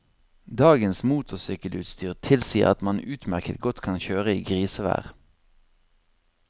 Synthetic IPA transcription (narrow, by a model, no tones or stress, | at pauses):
d̪ɑːɡənsmuːt̪ʰʊsʏkəlʉ̰ːt̪st̪ʰyːʁt̪ʰɪlsiːəʁɑt̪mɑnʉːt̪mæʁkət̪̚ɡɔt̪kʰɑnçøːʁəiːɡʁiːsəʋæ̰ːʁ